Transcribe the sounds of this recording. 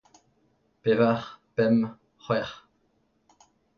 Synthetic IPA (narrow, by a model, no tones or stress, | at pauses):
pevaʁpɛm | χwɛʁ